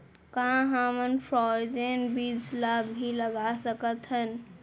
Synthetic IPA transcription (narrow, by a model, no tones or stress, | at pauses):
kəɦãɦamənpʰɾɔɾd͡ʒenbid͡ʒlabbʱiləɡasəkət̪ɦən